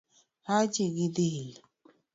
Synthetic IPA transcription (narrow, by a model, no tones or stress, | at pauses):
hat͡ʃiɡid̪il